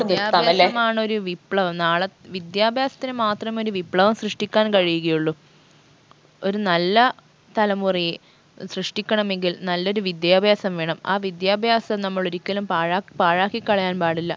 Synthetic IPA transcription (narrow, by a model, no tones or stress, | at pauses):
d̪jaːbʱɐjaɐeɐmaːɳo̞ɾuʋipːɭɐʋɐmnaːɭɐʋid̪jaːbʱjaːsɐt̪ːinɨmaːt̪rɐmeo̞ɾuʋipɭɐʋɐmsrɨʂʈikʲːaːnkɐɻijuɣɐjuɭːu | oɾunɐlːɐ | t̪ɐlɐmurij | srɨʂʈikʲːɐɳɐme̞ŋɡilnɐlːo̞ɾuʋid̪jaːbʱjaːsɐmʋeːɳɐma̰ːʋid̪jaːbʱjaːsɐnɐmːɐɭuɾikʲːɐlumpaːɻaːkpaːɻaːkːikːɐɭɐjaːnpaːɽilːɐ